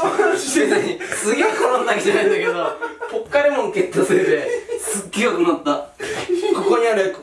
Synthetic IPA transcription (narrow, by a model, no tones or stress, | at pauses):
oanaɕiɕeinaɲisɨɡʲeikaɾãnːakʲid͡ʑanaĩnd̪ake̞d̪opokːaɾimõŋket̪ːosɨɾet̪e̞sɨɡːeakɯnat̪ːa | ko̞ko̞ɲ̟iaɾe